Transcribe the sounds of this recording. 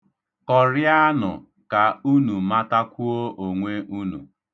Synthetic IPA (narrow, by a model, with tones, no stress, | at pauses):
kɔ˨ɾja˦nʊ̰˨ | ka˨u˦nu˨ma˦ta˦kʷu˦o˦ʔo˨ŋʷe˦ʔu˦nṵ˨